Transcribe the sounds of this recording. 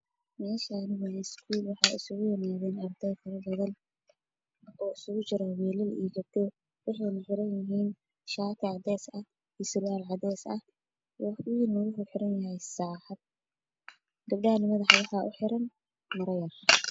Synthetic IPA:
mɛːsanɪɣɐjɛskʰuːlwɑħɑːɪsʊɣʊjɛnaːðɛːnɐrd̪ɛjfɐɾɐbɐðɐn | ɔːɪsʊɣʊt͡ʃɪɾɐwɛːlɪlḭjɡɐb̚d̪ɛ | wɑħɑjnɐħɪɾɐnjɪɦiːn | ʃaːk̪ʰɪʕɑd̪ɛːsɐh | isɪrjaːlʕɑd̪ɛːsɐ̰h | ɔɪnɔwʊɦʊħɪɾɐnjɐɦɛjsaːħɐd̪̚ | ɡ̪ɐbɖanɪmɐðɑħɑwɑħɑʔʊħɪɾɐn | mɐɾɐjɐr

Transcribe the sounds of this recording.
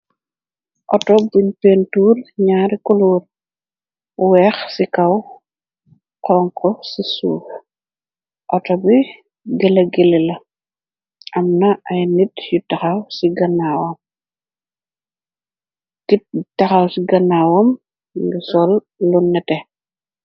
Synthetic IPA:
ʔɔtɔbuɲpentuːrɲaːɾikuluːr | wɛxsikɐw | qɔːŋkʰɔsisuːx | ʔɔtɔbi | ɡɛlɐɡɛlɛlɐ | ʔɐmnɐʔɐjnitjutɐxɐwsiɡɐnawɐm | kit̚tɐxɐwsiɡɐnawɐm | ɡisɔlː | unːɛtɛ

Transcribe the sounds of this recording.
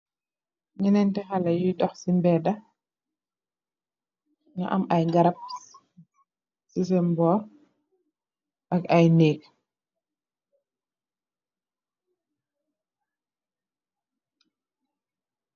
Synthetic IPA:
ɲɛnɛntɛxɐlɐjujdɔxsimbɛːdɐ | ŋa̰ʔɐmɐjɡɐɾɐp̚ | sis̬ɛmbɔː | ʔɐkɐjneːk̚

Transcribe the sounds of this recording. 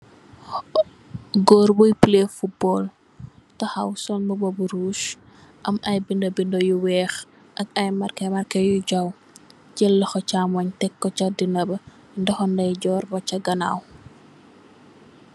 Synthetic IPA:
ɡɔɾbɔjplefut̚bɔl | tɐxɐ̰wsɔnmɐbobuɾuːʃ | ʔɐmɐjbindobindojuwɛːx | ʔɐkɐjmɐrkɐmɐrkɐjuɟɐw | ɟɛlːɐxɔt͡ʃamɔɲtɛkːɔt͡ʃɐdinɐbɐ | ndɐxɔndɐjɟɔːrbɐt͡ʃɐɡɐna̰ːw

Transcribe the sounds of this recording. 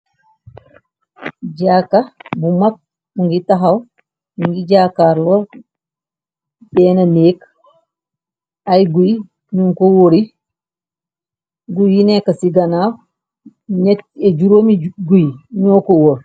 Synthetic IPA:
d͡ʒaːkːabumak̚ | muŋɡitaɦaw | muŋɡid͡ʒaːkaɾlɔ | bɛnaneːk | ajɡuj | ɲuŋkowoɾi | ɡujinɛkːasiɡanaf | ɲɛed͡ʒuɾoːmiɡujɲɔːkowoɾ

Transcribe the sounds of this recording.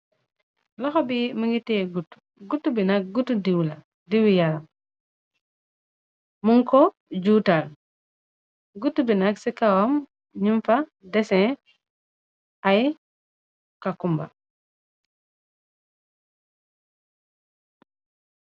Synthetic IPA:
laxɔbimiŋɡiteɡutːu̥ | ɡutːubinak̚ɡutːudiwla | diwijaɾam | muŋkɔ | d͡ʒuːtal | ɡutːubinaksikawam | ɲumfadɛsɛ̃ | aj | kakumba̰

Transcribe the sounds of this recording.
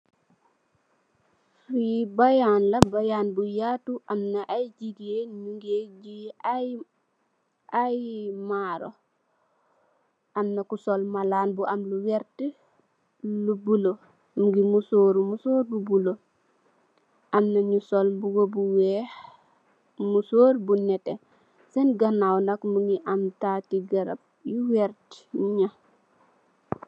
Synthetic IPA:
ɾibajanlabajaːnbujaːtuʔamnaʔajɟiɡeɲuŋɡed͡ʒi | ʔajmaɾo̰ | ʔamnakusɔlmalaːnbuʔamluwɛɾti | lubulo | muɡimusoːɾumusoːɾbubulo | ʔamnaɲusolbuɡobuwɛːh | musoːɾbunɛte | senɡanawnakmuŋɡiʔamtaːtiɡɐɾa̰b̚juwɛɾtɲa

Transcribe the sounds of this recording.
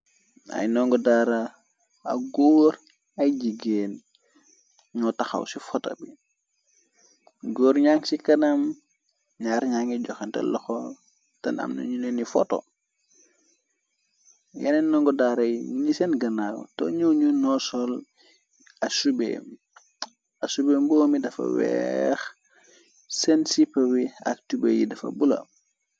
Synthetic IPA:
a̰jnɔŋɡɔdaɾa | a̰ɡɔːɾ | ɐjd͡ʒiɡeːn | ɲɔtaxa̰wsifɔtɐ̰bi | ɡoːɾɲaŋsikɐnɐm | ɲaːɾɲaŋɡiɟɔxɛntɛ̰lɔxɔ | tɐnɐ̰mnɐ̰ɲunɛnifɔtɔ̰ | jɛ̰nɛnːɔŋɡɔdaːɾɐjɲisɛnɡɐnaːkto̰ɲuɲunɔsɔl | ɐsubḛːm | ɐsubeːmbɔːmidɐfɐ̰wɛ̰x | sɛnsipːɐwiɐ̰k̚tubḛjḭdɐfɐ̰bulɐ̰

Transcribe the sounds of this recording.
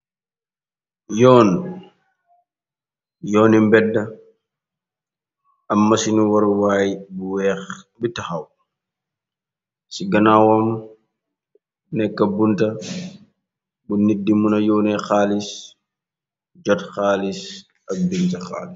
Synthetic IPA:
jɔːn | jɔːnimbɛdːa | ʔamːasinuwɔɾwaːjbwɛbitːahaw | siɡanawɔm | nɛkːabunta | bunidːimunajɔːnɛxaːlis | d͡ʒɔtxaːlis | ak̚bintaxa̰ːli

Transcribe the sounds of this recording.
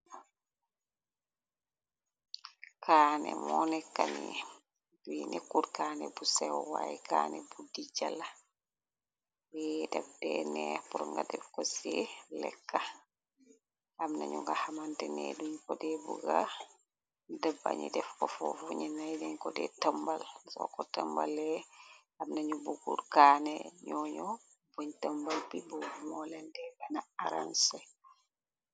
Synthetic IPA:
kʰaːnɛmɔnɛkːani | winʔekːuɾkaːnɛbusɛwwajikanɛbudid͡ʒala | wɛdɛb̚dɛnɛpuɾɔŋɡadɛfkɔsɛlɛkːa | amna̰ɲuŋɡahamantɛnɛ̰duɲkɔdɛbuɡa | dəbːa̰ɲudɛfkɔfɔfuɲɛnajdɛɲkɔdɛ̰təmbalsɔ̰kɔtəmbalɛ | amnaɲubuɡuɾkanɛɲɔɲɔ | boɲtəmbalpibuɡumɔlɛndɛɡanaaɾa̰nsɛ

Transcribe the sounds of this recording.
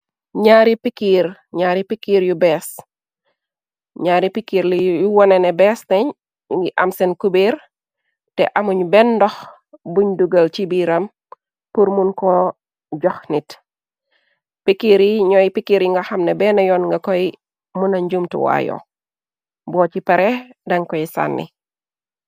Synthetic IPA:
ɲaːɾipikːiːɾɲaːɾipikiːɾjubɛːs | ɲaːɾipikiːɾlijuwɔnɛnɛbɛstɛɲ | ɡiʔɐmsɛnkubiɾ | tɛʔɐmuɲbɛndɔx | buɲduɡɐlt͡ʃibiːɾɐm | puɾmunkɔ | ɟɔxnit | pikːiɾiɲɔjipikːiɾiŋɡaxɐmnɛbɛnɐjɔːnŋɡɐkɔi | munɐɲɟumtṵwa̰jɔ̰ | bɔːcipɐɾɛdɐŋkɔisa̰nːḭ

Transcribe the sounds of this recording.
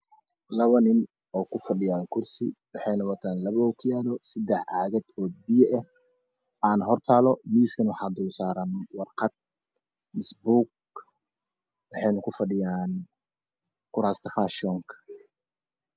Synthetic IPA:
lɐβɐnɪn | ɔːkʰʊfɐɖɪjaːŋkʰʊrsɪ̰wɑħɑjnɐwɐt̪ʰaːnlɐβɐɔkʰjaːðɔsɐd̪ɛħʕa̰ːɣɐd̪̥ɔːbijɛʔɛh | ʔaːnɦɔrt̪ʰaːlɔmiːskʰɐnwɑħɑːd̪ʊlsaːɾɐnwɑrqɑd̪̚ | nɪsbuːk̚ | wɑħɑjnɐkʰʊfɐɖɪjaːn | kʰʊɾaːst̪ʰɐfaʃɔːŋkʰɐ̥

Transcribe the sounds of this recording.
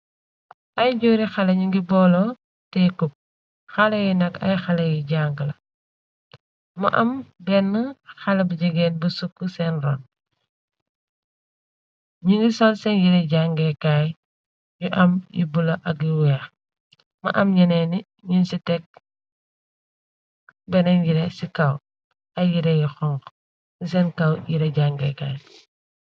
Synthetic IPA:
ʔɐjɟoːɾixɐlɐɲuŋɡibɔːlɔ | tɛkup̚ | xɐlɐjinɐkɐ̰jxɐlɐjiɟaŋɡəlɐ | mɐ̰ʔɐmbɛnːəxɐlɐbɐɟəɡɛːnbusukːusɛnrɔːn | ɲiŋɡisɔnsɛnjiɾɛɟaŋɡɛkaːj | ɲuʔɐmjḭbulɐʔɐk̬jiwɛːx | mɐ̰ʔɐmɲɐnɛːni | ɲunsitɛk̚ | bɛnɛnjiɾɛsikɐw | ɐjiɾɛjixɔŋk | isɛːnkɐwjiɾɛɟaŋɡɛkaːj

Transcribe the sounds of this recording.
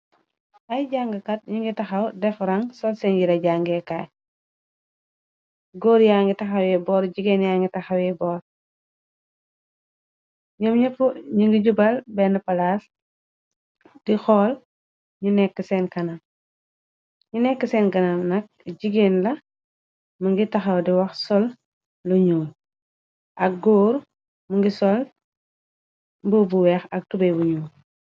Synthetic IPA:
ʔɐjɟaŋɡɐkɐt̚ɲiŋɡitɐxɐwdɛfɾɐŋsɔlsɛnjiɾɐɟaŋɡɛka | ɡoːɾjaːŋɡitɐxɐwɛbɔːɾɟiɡeːnjaːŋɡitɐxɐwɛbɔːɾ | ɲɐmɲɐfuɲiŋɡiɟubɐlbɛnəpɐlaːs | d̥ixɔːl | ɲunɛkːəsɛːnkɐnɐm | ɲunɛkːəsɛːnkɐnɐmnɐk̚ɟiɡeːnlɐ | mɐŋɡitɐxɐwdiwɐxsɔl | luɲuːl | ʔɐk̚ɡoːɾ | muŋɡisɔl | mbəbuwɛxɐk̚tubɐbuɲuːl

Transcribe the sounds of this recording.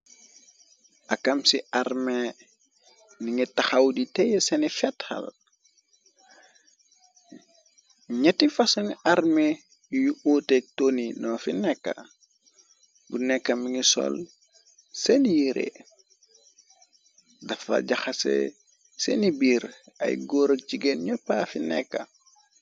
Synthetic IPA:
ʔakamsiʔarme | niŋitaxawditejesenifɛtha̰l | ɲɛtifasunarme | juʔotek̚toninɔːfinɛkːa̰ | bunɛkːɐmiŋisɔ̰l | senijiɾḛ | dɐfɐ̰ɟaxasḛ | sḛnibiːɾɐ̰jɡoːɾot͡ʃiɡenɲɔpːafinɛ̰kːɐ̰

